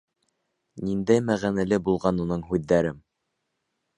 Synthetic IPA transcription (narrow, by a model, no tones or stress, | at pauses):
nind̪æjmæʁænælɘbulˠʁɑnunɤɴɦʉðːæɾɘm